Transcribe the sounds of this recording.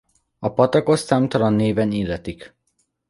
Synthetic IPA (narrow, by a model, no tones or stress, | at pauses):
ɒpɒt̪ɒko̞st̪aːmt̪ɒlɒnːeːvɛniːlːɛt̪ik